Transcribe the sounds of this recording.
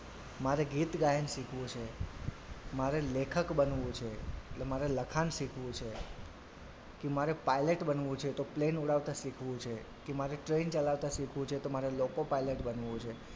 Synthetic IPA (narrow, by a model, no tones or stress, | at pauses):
maɾeɡit̪ɡajənʃikʰʋũt͡ʃʰe | maɾelekʰəkbənʋũt͡ʃʰeʈlemaɾeləkʰanʃikʰʋũt͡ʃʰe | kimaɾepajleʈbənʋũt͡ʃʰet̪oplenuɽaʋt̪aʃikʰʋũt͡ʃʰe | kemaɾeʈɾent͡ʃəlaʋt̪aʃikʰʋũt͡ʃʰet̪omaɾelokopaileʈbənʋũt͡ʃʰe